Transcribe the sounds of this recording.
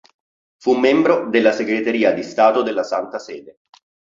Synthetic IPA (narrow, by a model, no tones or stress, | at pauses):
fumːembɾod̪elːaseɡɾet̪eɾiːad̪ist̪aːt̪od̪elːasant̪asɛːd̪e